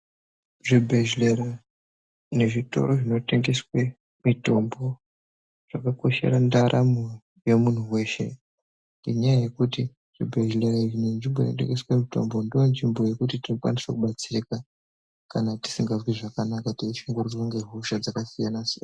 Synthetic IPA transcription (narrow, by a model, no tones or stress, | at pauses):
ʐibʱe̞ʒlera | ine̞ʐito̞̰ɾoʐino̞te̞ŋɡe̞swe | mito̞mbo̞ | ʐ̥akako̞ʃe̞̰ɾandaɾʔamo | je̞mun̤uwe̞ːʃe̞̰ | ndiɲajaje̞kuti | ʐ̥ibʱe̞ʒle̞ɾaiʐinenʐimbo̞jino̞̰t̬eŋɡe̞swemito̞̰mbo̞ndoand͡ʒimbo̞je̞kutitino̞kwa̰nisakuɓat͡sireka | kanati̥siŋɡazwiʐakanakataiʃiŋɡururwoŋɡe̞ɦuʃad͡zakasijanasiaa